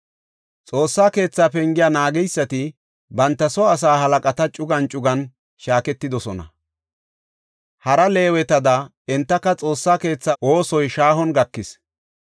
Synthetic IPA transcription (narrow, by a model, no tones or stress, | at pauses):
t͡sʼo̞ːsːaːke̞ːt͡sːaːpɛŋɡɪjanaːɡɛjsːɐt̪ɪ | bɐnt̪ːɐsɔɐs̬aːhɐlɐkʼɐt̪ɐt͡ʃʼʊɡɐnt͡ʃʼʊɡɐn | ʃaːkɛt̪ːɪd̪ɔsɔnɐ̰ | hɐɾɐle̞ːwɛt̪ɐd̪ɐ | ɛnt̪ːɐkːɐt͡sʼo̞ːsːaːke̞ːt͡sːɐʔo̞ːsɔjʃaːhɔnɡɐkːɪs